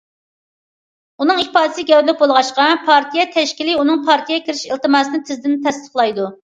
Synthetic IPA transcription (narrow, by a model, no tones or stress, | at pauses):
unɨŋipɑːd̪ɨsɨɡʲɛwlɪk̚bolˠʁɑʃqɑpʰɑɾt̪ijɛt̪ʰɛʃkʲilɪunɨŋpʰɑɾt̪ʰijɛkʲʰiɾɪʃilt̪ɨmɑːsɨnɨt̪ʰɪzd̪ɪnt̪ʰɛst̪ə̥χlˠɑjd̪u